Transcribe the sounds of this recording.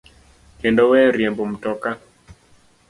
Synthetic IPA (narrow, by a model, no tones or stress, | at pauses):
kendowɛɾjembom̩tɔka